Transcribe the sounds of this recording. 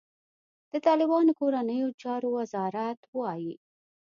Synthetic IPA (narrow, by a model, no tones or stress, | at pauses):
d̪̥ət̪ɑlɪbɑnokoɾanəjot͡ʃɑɾowazɑɾat̪wɑji